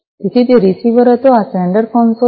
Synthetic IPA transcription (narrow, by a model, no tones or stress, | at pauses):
t̪it̪ʰit̪eɾisiʋəɾət̪oasɛɳɖəɾfɔnso